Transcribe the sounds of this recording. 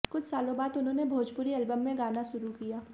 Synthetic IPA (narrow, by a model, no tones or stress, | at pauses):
kʊt͡ʃʰsaːlõbaːt̪ʊnɦõnebʱoːd͡ʒpʊɾiɐlbəmːẽɡaːnaʃʊɾukijaː